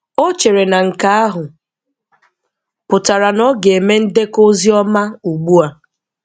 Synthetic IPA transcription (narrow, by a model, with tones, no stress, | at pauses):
o˦t͡ʃe˨ɾe˨na˨ŋ̩˨ka˦a˦ɦʊ˨ | pʊ˨ta˨ɾa˨nɔ˦ɡe˨e˨me˦n̩˦de˦ko˦zi˦ɔ˦ma˦u˨ɡ͡bu˦a˨